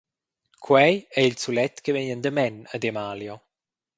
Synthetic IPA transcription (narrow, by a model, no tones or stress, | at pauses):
kʰwɛjɛilsulɛt̪kəvɛɲənd̪əmɛnəd̪ɛmaːljɔ